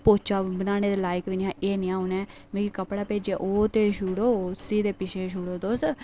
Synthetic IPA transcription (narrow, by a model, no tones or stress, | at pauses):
poːt͡ʃaːbənaːneːd̪eːlaːɪkʋɪnɪãːʔeːniãːunɛː | mẽːɡikəpɽaːpeːd͡ʒeːʔoːt̪eːʃuɽoːsiːd̪eːpɪʃʰeːʃ̬uɽoːd̪oːs